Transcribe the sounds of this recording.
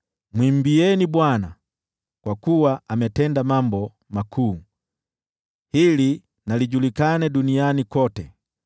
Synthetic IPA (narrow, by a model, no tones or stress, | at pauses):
mwim̩biɛnibwana | kwakuwaʔamɛtɛndamambɔ | makʰuː | hili | naliɟulikanɛdunianikɔtɛ